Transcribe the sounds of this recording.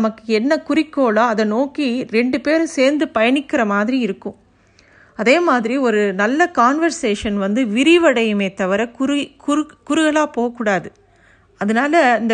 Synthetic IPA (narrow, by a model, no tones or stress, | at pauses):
mɐkːɯɛnːɐkʊɾɪkːoːɭaːɐðɐnoːkiɾɛɳɖɯpeːɾseːɾnd̪ɯpɐjɐɳɪkːɪɾɐmaːðɪɾiɪɾɯkːɯ̃m | ɐðeːmaːðɪɾiɔɾɯnɐlːɐkaːnʋɐɾseːʂɐnʋɐnd̪ɯʋɪɾɪʋɐɽɐjɯmeːt̪ɐʋɐɾɐkkʊɾʊɣɐɭaːpoːɣɐkːuːɽaːðɯ | ɐðɐnaːlɐɪnd̪